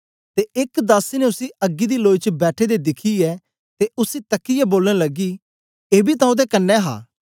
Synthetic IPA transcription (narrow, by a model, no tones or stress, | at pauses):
t̪eʔɪkd̪aːsineʊsiɐɡːid̪iloːit͡ʃəbɛːʈʰed̪ed̪ɪkʰiɛː | t̪eʔʊsit̪ɐkːijɛboːlənləɡiː | eːbit̪ãũd̪ekɐnːɛːɦa̰ː